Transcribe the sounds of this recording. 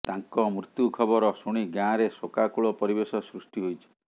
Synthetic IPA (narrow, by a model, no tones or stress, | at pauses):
t̪aŋkɔmɾut̪jukʰɔbɔɾɔsuɽ̃iɡjãɾesokakuɭɔpɔɾibesɔsɾusʈiɦojt͡ʃʰi̥